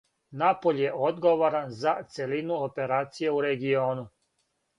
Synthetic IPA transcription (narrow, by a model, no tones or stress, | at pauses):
napo̞ʎje̞ʔod̪ɡoʋoɾanzat̪se̞linuope̞ɾaːt̪sije̞uɾe̞ɡio̞ːnu